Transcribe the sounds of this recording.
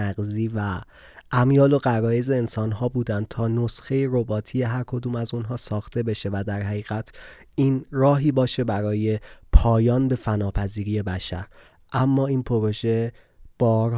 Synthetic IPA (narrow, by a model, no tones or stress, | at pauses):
æɣziːvæ | ʔæmjɒːlo̞ɣæɾɒːjezeːnsɒːnɦɒːbuːd̪ænd̪̚t̪ʰɒːnosxe̞jeɾobɒːt̪ʰije̞ɦæɾkʰo̞d̪uːmæzunɦɒːsɒːxt̪ʰe̞be̞ʃe̞væd̪æɾɦæɣiːɣæt̪ʰ | ʔiːnɾɒːɦiːbɒːʃe̞bæɾɒːje̞pʰɒːjɒːnbe̞fænɒːpʰæziːɾiːje̞bæʃæ̰ɾ | ʔæmːɒːiːnpʰo̞ɾoʒe̞ | b̥ɒːɾ